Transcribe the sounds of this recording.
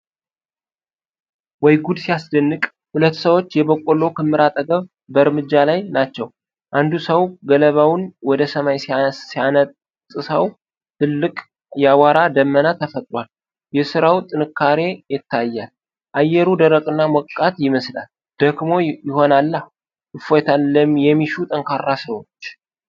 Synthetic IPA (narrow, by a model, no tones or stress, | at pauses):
wɔjɡud̪sijasd̪ənːɨkʼ | hulət̪ːsəwo̞t͡ʃːjɛbəkʼolo̞kʰɨmːɨɾat̪ʼəɡəβ | bəɾmɨd͡ʒːalajnat͡ʃːɛw | dʔand̪usəwɡələβawnwɔd̪əsəmajsasianə | sʼɨsəw | t̪ʰɨlːɨkʼ | jawaɾad̪əmːənat̪ʰəfət̪ʼɾwal | jɛsɨɾawt̪ʼɨnɨkʰːaɾe̞jɪt̪ʰːajːal | ʔajːɛɾud̪əɾəkʼɨnːamɔkʼːat̪jɪməsla̰l | d̪̥əɡmo̞jɪho̞nalːa | ʔɨfot̪ʰalːəmjɛmːiʃut̪ʼəŋkʰarːasəwot͡ʃː